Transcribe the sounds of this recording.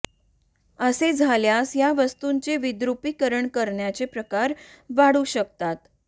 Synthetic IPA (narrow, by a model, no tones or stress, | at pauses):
əsed͡zʱaljasjaʋəst̪uɲt͡seʋid̪ɾupikəɾəɳkəɾɳjat͡sepɾəkaɾ | ʋaɽuɕəkt̪at̪